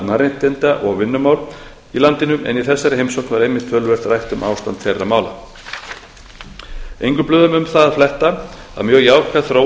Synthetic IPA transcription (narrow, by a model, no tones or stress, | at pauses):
maɾent̪ɛnt̪aʔɔɣvɪnːʏmaːwl | ilant̪ɪnʏmʔɛ̰niθɛsːajɾɪhejmsowknvaɾejmːɪht̪fœːlvɛr̥t̪rajht̪ʏmʔa̰ːwst̪ant̪fejrːamaːwla̰ | ejŋkʏmplʏːðʏmʏmθaðaðflɛht̪a | a̰ðmjœːɣjaːwkaθɾoː